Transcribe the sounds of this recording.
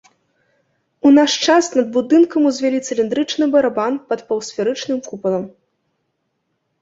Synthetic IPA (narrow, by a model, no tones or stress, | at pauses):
unaʂt͡ʂasnɐd̪̚bud̪ɨnkɐmuzʲvʲɛlʲit̪sɨlʲind̪ɾɨt͡ʂnɨbɐɾabanpɐt̪pɐwsʲfʲɛɾɨt͡ʂnɨmpupɐlˠɐm